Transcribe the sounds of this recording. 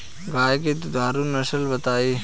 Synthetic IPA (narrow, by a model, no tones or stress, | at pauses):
ɡaːjket̪ud̪ʱaːɾunɐʃəlbɐt̪aːe